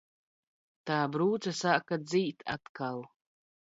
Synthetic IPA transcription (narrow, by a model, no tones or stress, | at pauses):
tʰaːbɾuːt͡sʰasaʔkad͡zijtʰa̰tkʰal